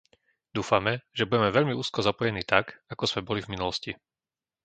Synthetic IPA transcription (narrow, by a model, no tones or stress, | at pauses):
d̪uːfamɛʒ̥ɛbuɟɛmɛʋɛʎmiuːskɔzapɔjɛniːt̪akakɔzmɛbɔlivminulɔsci